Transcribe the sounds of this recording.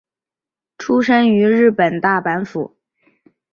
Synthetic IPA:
ʈ͡ʂʰu˥ʂə˥ŋy˧˥ɻɻ̩˥˩pə˨˩nt̪a˥˩pa˧˥nfṵ˨˩˦

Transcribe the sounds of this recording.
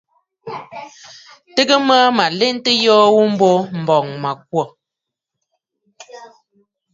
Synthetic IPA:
tə˦ɡə˦ma˦ma˨le˦n˦tə˦jɔː˦wu˦m̩˦bo˦m̩˨bɔ˨ŋma˨k̚wɔ˨

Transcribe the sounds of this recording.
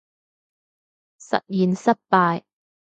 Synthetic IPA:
sɐ̰˨t̚jiː˨˩nsɐ˥t̚paː˧j

